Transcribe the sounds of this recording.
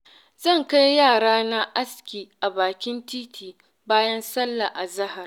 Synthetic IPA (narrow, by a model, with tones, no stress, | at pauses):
zɐ˦˨ŋka˦jjaː˦˨ɽaː˦na˦ʔa˦skʲiː˨ʔa˨baː˨kʲɪ˦ntiː˦tʰiː˨ | baː˦jɐ˦nsɐ˦lːa˨ʔa˨zɐ˦ɦa˨r